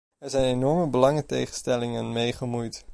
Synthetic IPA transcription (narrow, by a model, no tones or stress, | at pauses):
ɛɹzɛjnenɔɹməbəlɑŋətḛjχənstɛlɪŋənmejχəmujt